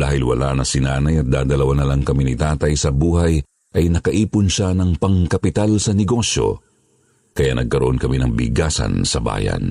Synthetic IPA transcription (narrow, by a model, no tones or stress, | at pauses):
d̪a̰ːhɪlwɐ̰la̰nɐsɪnaːnɐjɐt̪̚d̪aːd̪ɐlɐwanːɐlɐŋkɐminɪt̪aːt̪ɐjsɐbuːhɐj | ʔɐjnɐkɐʔiːpʊnʃanɐŋpɐŋkɐpɪt̪alsɐnɛɡo̞ʃjo̞̰ | kɐjanɐɡ̚kɐɾoʔo̞nkɐminɐŋbɪ̰ɡaːsɐ̰nsɐba̰ːjɐ̰n